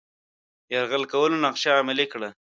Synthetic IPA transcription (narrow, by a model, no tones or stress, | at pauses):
jaɾɣəlkawəlonaqʃaːmɪlikɽa